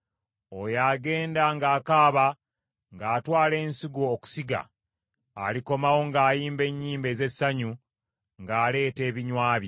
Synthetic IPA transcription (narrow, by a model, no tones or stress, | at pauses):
ojaːɡe̞ːndaŋɡaːkaːβa | ŋɡaːtwaːle̞ːnsiɡoːku̥siɡa̰ː | liko̞mawo̞ŋɡaːjiːmbe̞ɲːiːmbe̞ːze̞sːaɲu | ŋɡaːle̞ːte̞ːβiɲwaːβje